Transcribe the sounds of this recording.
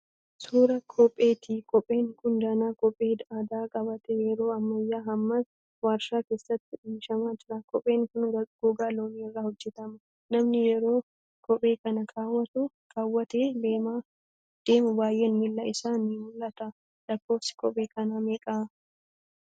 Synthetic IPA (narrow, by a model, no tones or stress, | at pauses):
suːɾɐkʰɔpʼːe̞ːt̪ikʰʼɔpʼːe̞ːŋkʊnd̪ɐːnaːkɔpʼːeːd̪aːd̪aːkʼɐbɐt̪ɛjɛɾo̞ːɐmːɐjːaːɦɐmːas | waːɾʃaːke̞ːsːɐt̪ːɪᶑiːʃɐmaːd͡ʒɪɾɐkɔpʼːe̞ːŋkʊnɡ̥uːɡaːloːniːɪrːaːhɔd͡ʒːɛt̪ɐmɐ | nɐmnɪjɛɾo̞ː | kʰɔpʼːe̞ːkɐnɐkaːwːɐt̪ʊ | kʼaːwːɐt̪eːdeːma | d̪̥eːmʊbaːjʔenhɪlːɐɪsaːnimʊlːɐt̪ɐ | lɐkːo̞ːfsɪ̥kɔpʼːe̞ːkɐnameːkʼaː